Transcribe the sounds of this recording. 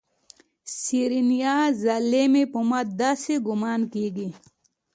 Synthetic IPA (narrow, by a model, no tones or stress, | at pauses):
siɾinijazalemepomad̪aseɡumaːnkiːɡi